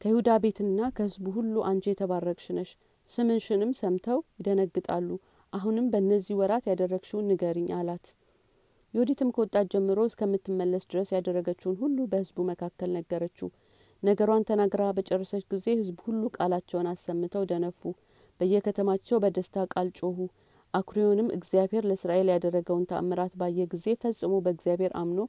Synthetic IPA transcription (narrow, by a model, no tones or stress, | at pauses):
kʰəhhud̪abe̞t̪ʰɨnːakʰəhɨzbuhulːuʔant͡ʃejɛt̪ʰəβarːəkʼʃɪnəʃ | sɨmɨnʃɪnɨmsəmt̪ʰəwjɪd̪ənəɡːɨt̪ʼalːu | ʔaɦunɨmbəɨnːəzːihwɔɾat̪jad̪ərːəɡʃunːɨɡəɾɨɲːʔalat̪ | jɛod̪it̪ʰɨmkʰəwɔt̪ʼːad͡ʒɛmːɨɾoskʰəmːɨt̪ːɨmːəlːəsd̪ɨɾəsjad̪ərːəɡət͡ʃːuhnɦulːubəhɨzbuməkʰakːəlnəɡːəɾət͡ʃːu | nəɡəɾwant̪ʰənaɡɾabət͡ʃʼɛrːəsət͡ʃːɡize̞hɨzbhulːukʼalat͡ʃːɛwnasːəmːɨt̪ʰəwd̪ənəfːu | b̥əɨjːɛkʰət̪ʰəmat͡ʃːɛwbəd̪əst̪ʰakʼalt͡ʃʼohu | ʔakʰɾijo̞nɨmʔɨ̰ɡzijabhe̞ɾləsɾaʔe̞ljad̪ərːəɡəwnt̪ʰa̰ʔmːəɾat̪bajːɛɡize̞fəsʼːɨmobəɨɡzijabhe̞ɾʔa̰mno̞